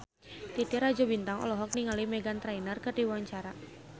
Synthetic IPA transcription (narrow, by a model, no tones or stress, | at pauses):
t̪it̪iɾad͡ʒɔbint̪aŋɔ̰lɔɦɔk̚niŋalimɛɡant̪ɾajnərkərdiwaɲt͡ʃaɾa